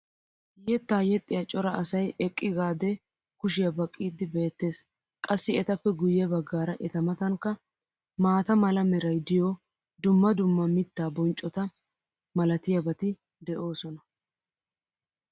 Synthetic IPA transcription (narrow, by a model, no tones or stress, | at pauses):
jɛt̪ːaːjɛt̪ʼːɪjɐt͡ʃʼɔɾɐʔɐsɐjɛkʼːɪɡaːd̪ɛ | kʊʃɪjɐbɐkʼːiːd̪ɪbe̞ːt̪ːe̞ːs | kʼɐsːɪɛt̪ɐpːɛɡʊjːɛbɐɡːaːɾɐʔɛt̪ɐmɐt̪ɐŋkːɐ | maːt̪ɐmɐlɐmɛɾɐjd̪ɪjo | d̪ʊmːɐd̪ʊmːɐmɪt̪ːaːbɔnt͡ʃʼɔt̪ɐ | mɐlɐt̪ɪjɐbɐt̪ɪ | d̪ɛʔo̞ːsɔnɐ